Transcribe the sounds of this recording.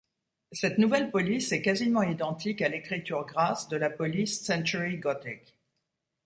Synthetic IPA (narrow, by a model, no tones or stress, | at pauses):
sɛt̪nuvɛlpɔlisɛkazimɑ̃id̪ɑ̃t̪ikalekχit̪yʁɡʁasd̪əlapɔlisːɛ̃t̪yʁiɡɔt̪ɛk